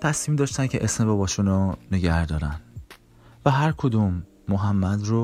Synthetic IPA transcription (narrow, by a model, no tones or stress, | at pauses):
t̪ʰæsmiːmd̪ɒːʃt̪ænkcʰeʔesmeɾobɒːʃuːnone̞ɟæɾd̪ɒːɾæn | væɦæɾkʰod̪uːmː | oɦæmːæd̪ro